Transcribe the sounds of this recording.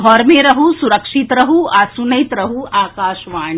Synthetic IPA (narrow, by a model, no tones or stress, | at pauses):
ɦɔːɾmeɾɐɦusuɾɐkʃit̪ɾɐɦuaːsunɐjt̪ɾɐɦuaːkaːʃʋaːɳ̃